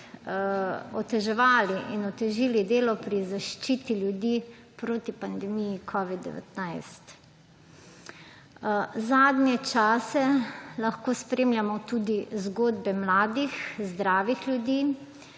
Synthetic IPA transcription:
ɔt̪ɛʒɛʋaːliʔinɔt̪ɛʒiːlid̪eːlɔpɾizaʃt͡ʃiːt̪ilʲjud̪iː | pɾoːt̪ipand̪ɛmijikʰɔʋid̪̚d̪ɛ̰ʋɛ̰t̪najst̪ | zaːd̪njɛt͡ʃaːsɛlaxkoːspɾeːmljamɔt̪uːd̪izɡoːd̪bɛmlaːd̪ixzd̪ɾaːʋixljud̪i

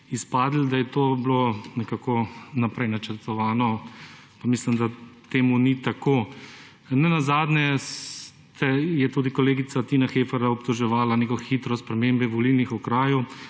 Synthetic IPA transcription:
ispaːd̪l̩d̪ajɛt̪oːblonɛkaːkɔnapɾɛjnat͡ʃəɾt̪ɔʋaːnɔ | pamislimd̪at̪eːmunit̪akoː | nɛnazaːd̪nɛs | t̪ʰɛjɛt̪uːd̪ikɔleːɡit̪sat̪inaxeːfɛɾaɔpt̪ɔʒɛʋaːlanekɔxit̪ɾɔspɾɛmeːmbɛʋɔlilnixɔkɾaːju

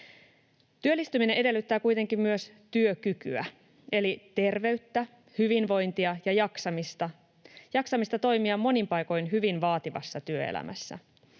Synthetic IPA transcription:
t̪yø̞lːist̪ymineʔe̞de̞lːyt̪ːæːkujt̪e̞ŋkimmyøs | t̪yøkyky̰æ̰ | e̞lit̪e̞rʋe̞yt̪ːæ | hyʋinʋo̞jnt̪iɑjɑjɑksɑmist̪ɑ | jɑksɑmist̪ɑt̪o̞jmiɑmːo̞nimpɑjko̞jnɦyʋinʋɑːt̪iʋɑ̰sːɑt̪yøḛlʔæ̰mʔæ̰sːæ̰

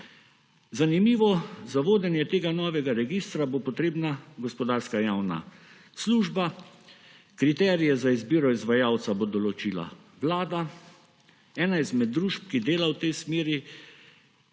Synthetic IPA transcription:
zanimiːʋɔzaʋoːd̪ɛnjɛt̪eːɡanɔːʋɛɡaɾɛɡist̪ɾabopɔt̪ɾeːbnaɡɔspɔd̪aːɾskajawna̰ | sluʒba | kɾit̪ɛːɾijɛzaizbiːɾɔizʋajaːwt̪sabod̪ɔlɔt͡ʃiːla̰ | ʋlaːd̪a | ɛːnaizmɛd̪ːɾuʃp̚kid̪eːlawt̪ɛjsmeːɾi

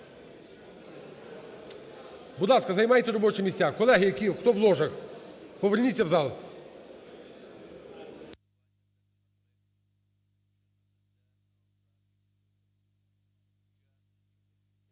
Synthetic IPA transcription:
bʊd̪ɑskɐzɐjmɑjet̪ʲɛɾɔbɔt͡ʃɪmʲisʲakɔlˠɛɦɪjɐkʲixt̪ɔʋlˠɔʐɐxpɔʋernʲit͡sʲːɐwzɑlˠ

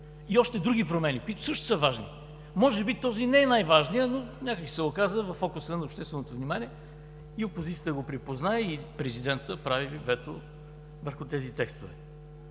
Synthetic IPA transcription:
iɔʃt̪ɛd̪ɾuɡ̟ipɾomɛnikoit̪ʊ̥sɤʃt̪ʊ̥səvaʒnḭ | mɔʒɛbit̪ɔzinɛɛnajvaʒniənonʲakəksi̥sɛokazəvɐfːɔkʊsənɐoːpʃt̪ɛst̪vɛnot̪ovnimanʲiɛ | iopozit̪sijət̪əɡopɾipoznaɛipɾɛzid̪ɛnt̪əpɾavivɛt̪o | vəɾxʊt̪ɛzit̪ɛkst̪ovɛ̰

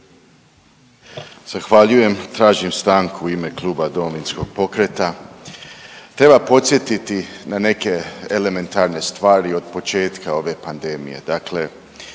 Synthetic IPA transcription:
z̥axʋaʎuje̞mt̪ɾaːʒimst̪aːŋkuːime̞klˠuːbad̪o̞mo̞ʋinsko̞ɡ̥̚po̞kɾe̞t̪a | t̪ɾe̞bapo̞t̪sjet̪it̪inane̞ke̞ele̞me̞nt̪aːɾne̞st̪ʋaːɾio̞d̪̚po̞t͡ʃe̞ːt̪kao̞ʋe̞pand̪e̞mḭje̞̰d̪akle̞

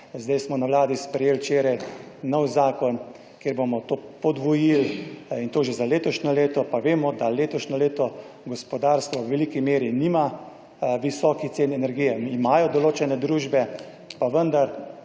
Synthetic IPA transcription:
zd̪ajsmɔnaʋlaːd̪ispɾɛjeːlt͡ʃeːɾajnɔwzaːkɔn | kjeːɾbomɔt̪oːpɔd̪ʋɔjilint̪oːʒezaleːt̪ɔʃnʲɔleːt̪ɔpaʋeːmɔd̪aleːt̪ɔʃnʲɔleːt̪ɔ | ɡɔspɔd̪aːɾst̪ʋɔwʋɛlikimeːɾinima | ʋisɔːkit̪seːnɛnɛɾɡijɛimaːjɔd̪ɔloːt͡ʃɛnɛd̪ɾuːʒbɛ | paʋənd̪aɾ

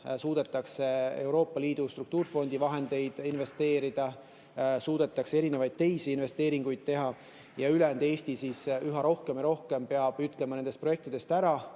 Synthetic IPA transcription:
suːd̪̥e̞t̪ːˑɑkse̞e̞wɾo̞ːpˑːɑliːd̪̥ust̪ɾuk̚t̪uːɾfo̞nd̪̥ivɑɦe̞nd̪̥e̞jd̪̥inve̞st̪e̞ːɾid̪̥ɑ | suːd̪e̞t̪ːˑɑksee̞ɾine̞vɑjd̪̚t̪e̞jsiinve̞st̪e̞ːɾiŋɡ̥ujd̪̥̚t̪e̞ɦɑ | jɑylend̪e̞ːst̪isisyɦɑɾo̞hkemiɾo̞hke̞mpe̞ɑb̥yt̪ˑlemɑne̞nd̪est̪proe̞k̚t̪id̪̥e̞st̪æɾɑ

